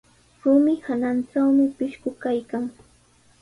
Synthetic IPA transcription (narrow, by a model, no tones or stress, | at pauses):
ɾʊmɪhananʈ͡ʂawmɪpɪʃkʊkajkaŋ